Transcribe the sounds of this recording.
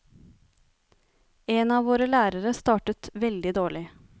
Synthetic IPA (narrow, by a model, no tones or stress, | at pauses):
eːnɑːʋoːɾəlæːɾəɾəst̪ɑːʈət̪ʋɛld̪ɪd̪oːɭɪ